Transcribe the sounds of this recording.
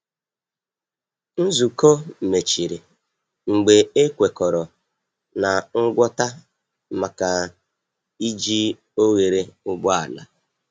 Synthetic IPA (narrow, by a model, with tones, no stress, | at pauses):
n̩˦zu˨ko˦m̩˨me˨t͡ʃi˨ɾi˨ | ŋ͡m̩˨ɡ͡be˨e˦kʷe˨kɔ˨ɾɔ˨ | na˨ŋ̩˦ɡʷɔ˦ta˦ | ma˨ka˨ | i˦d͡ʒi˦ | o˦ɣe˨ɾe˦ʊ˦bʊ˦a̰˨la̰˦